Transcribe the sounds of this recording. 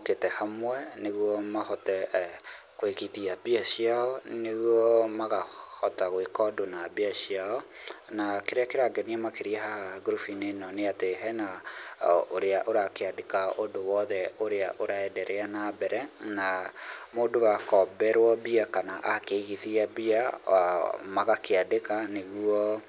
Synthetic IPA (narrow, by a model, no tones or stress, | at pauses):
ketɛhamwɛneɣwɔmahɔtɛ | koeɣiðiabiaʃiaɔneɣwɔmaɣahɔtaɣoikɔdonabiaɕiaɔ | nakeɾeakeɾaɡɛniamakeɾiɛɦaɡuɾufinenɔneateɦɛna | oɾeaʔoɾakeadekaodowɔðɛoɾeaʔoɾaɛdɛɾɛanabɛɾɛnamoːdowakɔbɛɾwɔbiakanaʔakeiɣiðiabia | maɣakeadekaneɣuɔ